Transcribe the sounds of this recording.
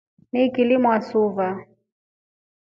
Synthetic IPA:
nikilimuasuva

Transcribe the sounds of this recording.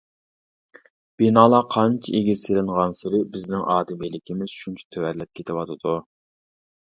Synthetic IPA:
b̥inɑːlˠɑqʰɑnt͡ʃʰiʔeɡʲiselɪŋʁɑnsɪɾɪbɪznɪŋʔɑːd̪ɪmilɪkʲimɪz̥ʃunt͡ʃʰɛ̥t̪ʰøwɛɾlɛp̚kʲʰet̪ʰɪwɑt̪ʰɨd̪̥u

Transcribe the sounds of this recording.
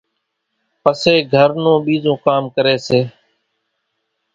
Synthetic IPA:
pəseːɡʱəɾnõːɓiːzõːkaːmkəɾeːseː

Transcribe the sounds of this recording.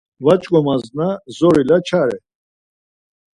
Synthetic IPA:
vat͡ʃʼkʼɔmaznazɔɾilat͡ʃʰaɾɛ

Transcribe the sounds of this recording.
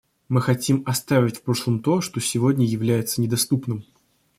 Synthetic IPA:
mɨxɐtʲimɐst̪avʲɪtʲfpɾo̞ʂlˠəmt̪o̞ʂt̪o̞sʲɪvo̞dʲnʲəjɪvlʲæjɪt̪sənʲɪd̪ɐst̪upnɨm

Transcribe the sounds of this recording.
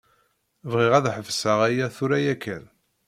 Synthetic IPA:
vʁɪʁæðħəvsəʁæjæθuɾæjækːæn

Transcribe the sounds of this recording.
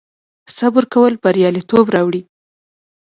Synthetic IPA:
sabʊɾkawəlb̥aɾjɑlit̪obɾɑwɽi

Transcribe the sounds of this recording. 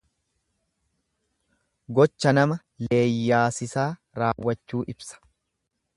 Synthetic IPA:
ɡɔt͡ʃːɐnɐmɐ | le̞ːjːaːsɪsaː | ɾaːwːɐt͡ʃːuːʔɪbsɐ̥

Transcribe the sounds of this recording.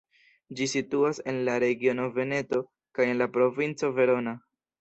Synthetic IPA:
d͡ʒisituase̞nlaɾe̞ɡio̞no̞ve̞ne̞to̞ | kaje̞nlapɾo̞vint͡so̞ve̞ɾo̞na

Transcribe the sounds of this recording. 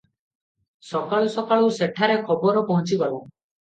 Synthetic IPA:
sɔkaɭɔsɔkaɭɔwseʈʰaɾekʰɔbɔɾɔpɔɦɔ̃nt͡ʃiɡɔla

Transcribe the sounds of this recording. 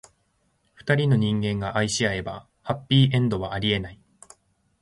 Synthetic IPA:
ɸɯ̟̥t̪aɾʲino̞ɲ̟ĩŋɡẽŋɡaʔaiɕiae̞ba | hapʲːiːʔẽ̞nd̪o̞βaaɾʲie̞nai

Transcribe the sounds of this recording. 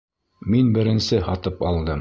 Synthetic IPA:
minbɘ̆ɾɘ̆nsɘhɑt̪ɤpɑlˠd̪ɤm

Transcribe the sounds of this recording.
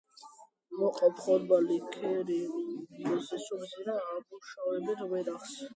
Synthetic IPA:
mɔqʼɔpʰχɔɾbalikʰɛɾimɔzisubziɾaːmuʃavɛbit̪vɛɾaχs

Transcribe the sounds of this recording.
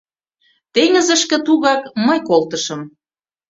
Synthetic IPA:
t̪eŋə̆zə̆ʃkĕt̪uɣɑkməjkolt̪ə̆ʃə̆m

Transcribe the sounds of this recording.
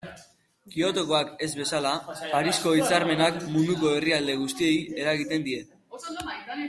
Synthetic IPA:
kio̞t̪o̞ko̞ake̞zβe̞salapaɾisko̞it͡saɾme̞nakmund̪uko̞e̞riald̪e̞ɣ̞ust̪ie̞je̞ɾaɣit̪e̞nd̪ie̞t̪

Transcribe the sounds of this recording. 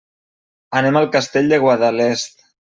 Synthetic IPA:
ənemalˠkast̪eʎd̪eɣwaðalest̪̚

